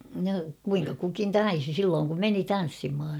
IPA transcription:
no kuiŋkɑ kukin tɑisi silːoːŋ kum meni tɑn̞sːimhɑ

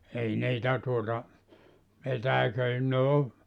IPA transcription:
ei niːtæ tuotɑ petæikøi ne o

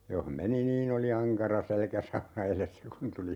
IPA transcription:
joh meni niːn oli ɑŋkɑrɑ selkæsɑunɑ elesːæ kun tuli

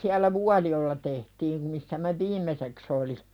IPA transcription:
siælˑæ ʋuɑlijoĕlɑ tehtiːm misːæ mæ ʋiːmeseks oli

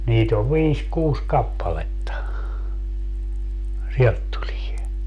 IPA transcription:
niːt oʋ ʋiːs kuːs kɑpːɑletːɑ sielt tulie

